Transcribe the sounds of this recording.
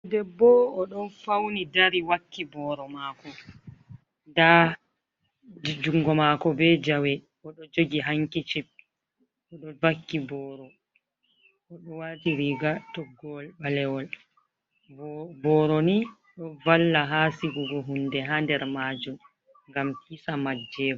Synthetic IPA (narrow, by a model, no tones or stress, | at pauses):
dɛbɔɔɗɔnfawnidaɾiwakːibɔːɾɔmaːkɔ | nda | d͡ʒuŋɡɔmakɔbɛd͡ʒawɛ | ɔɗɔd͡ʒoɡiɦaŋkit͡ʃip̚ | ɔɗɔvakːibɔːɾɔ | ʔɔɗɔwatiɾiːɡatɔɡːɔlɓalɛwɔl | bɔːɾɔni | ɗɔvalːaɦaːsiɡuɡɔɦundɛɦandɛɾmaːd͡ʒum | ŋɡampisamad͡ʒːɛːbɔ